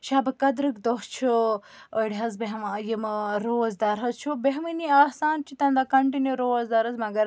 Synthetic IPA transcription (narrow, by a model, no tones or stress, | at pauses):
ʃaːbɐkɐd̪ɾɨkd̪oɦt͡ʃʰu | oiɽʲɦɐzbeɦmajimɾoːzd̪ɐɾɦɐzt͡ʃʰubeɦminiaːsaːnt͡ʃʰit̪ɐnd̪akɐɳʈinjuɾoːzd̪ɐɾɐzmɐɡɐɾ